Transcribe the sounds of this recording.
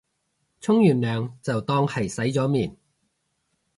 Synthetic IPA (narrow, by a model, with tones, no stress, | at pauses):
t͡sʰʊ˥ŋjyː˨˩nlœː˨ŋt͡sɐ˨wt̪ɔː˥ŋhɐ˨˩jsɐ˨˥jt͡sɔː˨˥miː˨˩n